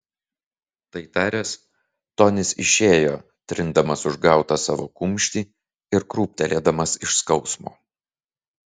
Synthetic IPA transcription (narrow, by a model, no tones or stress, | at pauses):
t̪ɐɪt̪ɑːɾʲes | t̪oːnʲɪsɪ̰ʃʲeːjoː | t̪ʲɾʲɪnd̪ɐmɐsʊʒɡɑˑʊt̪ɑsɑːʋo̰ːkʊmʲʃʲt̪ʲiː | ɪɾkɾuːp̚ʲt̪ʲɛlʲeːd̪ɐmɐsɪʃskɒʊsmoː